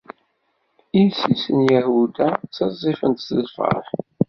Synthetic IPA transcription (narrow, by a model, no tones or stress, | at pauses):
insisənjæhud̪æt͡sːɑzˤːifənt̪səlfə̰ħ